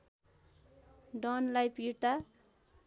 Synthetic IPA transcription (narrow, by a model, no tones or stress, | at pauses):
ɖʌnlajpiɾt̪a